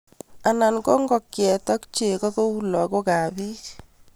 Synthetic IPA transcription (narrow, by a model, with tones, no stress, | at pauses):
a˨na˨nkɔ˦ŋɡɔ˨kjɛ˨tɔ˦kt͡ʃe˨kɔ˦ko˦u˦lɔ˨ko˦ka˨bi˦